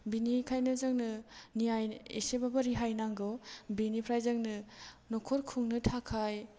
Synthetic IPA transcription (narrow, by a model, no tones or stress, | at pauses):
binikʰajnɯzɯŋnɯniajḛsebabɐɾiɦajnaŋɡɔbinipʰɾajzɯŋnɯnɔkʰɔɾkʰuŋnɯtʰakʰaj